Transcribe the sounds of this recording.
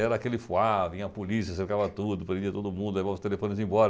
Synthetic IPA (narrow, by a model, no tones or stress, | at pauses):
ɛɾɐakelɪfuavĩɐpolisiɐsefkavɐt̪ud̪ʊpɾẽd̪iɐt̪od̪ʊmũnd̪ʊlevavʊ̃st̪elefõnɪzẽj̃bɔɾɐ